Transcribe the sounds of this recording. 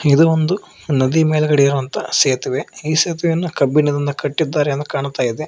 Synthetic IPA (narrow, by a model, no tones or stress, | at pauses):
id̪uʋond̪u | nɐd̪imeːlɛɡɐɭiɾuʋɐnt̪ɐseːt̪iʋeiːseːt̪iʋejɐnːukɐbːinɐd̪ind̪ɐkɐʈːid̪ːaːɾeɐnd̪ɐkaːɳut̪aːjid̪e